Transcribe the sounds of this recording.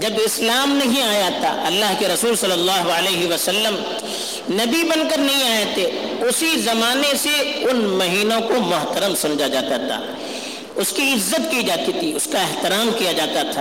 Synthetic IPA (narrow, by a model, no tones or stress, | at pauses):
d͡ʒɐbɪslaːmnɐɦĩaːjaːt̪a̰ʔɐlːaːɦkeɾɐsuːlsɐlːəlːaːɦoəleːɦiʋɐsɐlːəm | nɐbibɐ̃nkəɾnɐɦĩaːjet̪ʰeːʊsizɐmaːneseʊnmɐɦiːnõkomʊɦt̪əɾəmsʊnd͡ʒad͡ʒaːt̪at̪ʰa̰ː | ʊskiɪzːət̪kid͡ʒaːt̪it̪ʰiʊskaɪɦt̪ɪɾaːmkijad͡ʒaːt̪at̪ʰaː